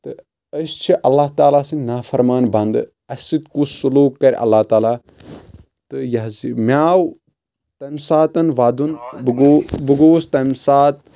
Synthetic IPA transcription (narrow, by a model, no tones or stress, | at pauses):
t̪ɨ | əst͡ʃʰiʔɐlːaɦt̪aːlaːsinafɐɾmaːnbɐnd̪ɨ | ɐsit̪kussuluːkːɐɾʲɐ̰lːaːht̪aːlaː | t̪ɨjɐɦzimʲaːw | t̪ɐmsaːt̪ɐnʋaːd̪unbɡobɨɡoːst̪ɐmʲsaːt̪̚